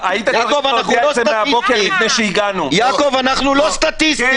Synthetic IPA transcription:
ait̪ajakovananualoseaabokemifnejʃeiɡanujakovanaχnulost̪at̪ist̪

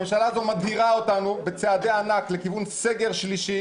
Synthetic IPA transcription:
emʃalazomadhiʁaotanubet͡sead̪eanakle̞kivunse̞ɡe̞ʁʃliʃi

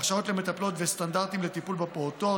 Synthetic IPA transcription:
χʃao̞t̪le̞me̞t̪aplo̞t̪vest̪andaʁt̪imlet̪ipulbepoot̪o̞

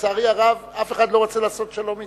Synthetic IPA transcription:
t͡saːʁiaʁavafeχad̪lo̞ʁot͡selaːsotʃelo̞mi

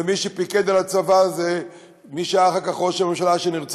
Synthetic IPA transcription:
miʃepiked̪alat͡savaze | miʃeaχakaχoʃmemʃalaʃeniʁt͡s

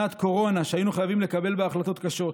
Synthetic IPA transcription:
at̪ko̞ʁo̞naʃeajinuχajavimle̞kabe̞lbeaχlat̪o̞t̪kaʃo̞t̪

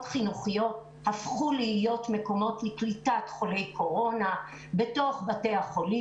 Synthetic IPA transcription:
tχinuχijo̞t | hafχulihijo̞tmeko̞mo̞tliklitatχo̞le̞jkʰo̞ʁo̞na | be̞to̞χbate̞jhaχo̞li

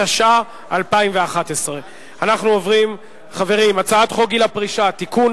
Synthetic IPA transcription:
aʃa | alpaimveaχat̪esʁe | anaχnuovʁim | χave̞ʁimat͡saat̪χoɡilapʁiʃat̪ikun

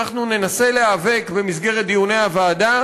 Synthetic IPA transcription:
aχnune̞nase̞le̞ave̞kbe̞mis̬ɡe̞ʁet̚d̪ijune̞javaːd̪a

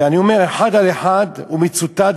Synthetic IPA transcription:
aniomeʁeħad̪aleħad̪umit͡sut̪ad̪

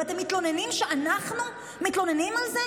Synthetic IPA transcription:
at̪emːit̪lo̞nenimʃeʔanaχnu | mit̪lo̞nenimalze

